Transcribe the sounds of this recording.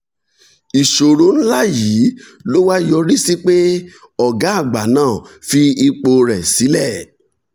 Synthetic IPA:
i˨ʃo˨ɾo˨˦n̩˦la˦˨ji˨˦ | lo˦wa˦jɔ˧ɾi˦si˦k͡pe˦ | ɔ˦˨ɡa˨˦a˦˨ɡ͡ba˨nãː˦˨fi˧i˧k͡po˧ɾɛ˨si˨˦lɛ˦˨

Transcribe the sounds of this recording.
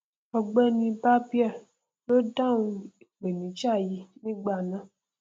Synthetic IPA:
ɔ˨ɡ͡bɛ˦nĩ˧ba˦bi˦ɛ˦˨ | lo˦dã˦ŋũ˦˨ | ɡ͡be˨nĩ˨t͡ʃa˦˨ji˨nĩ˦ɡ͡ba˨nã˦

